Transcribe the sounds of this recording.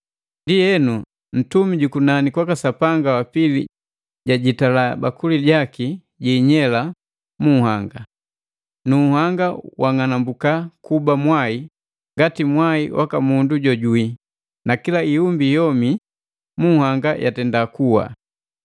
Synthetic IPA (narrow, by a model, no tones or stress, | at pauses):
ndijɛnu | n̩tumiɟukunanikwakasapaŋɡawapilḭ | ɟaɟitalaba̰kuliɟaki | ɟiːɲɛla | muhaŋɡa | nuhaŋɡawaŋanambukakubamwai | ŋɡatimwaiwʔa̰kamunduɟɔɟui | nakilaiumbijɔmi | muhaŋɡajʔa̰tɛndakuwa̰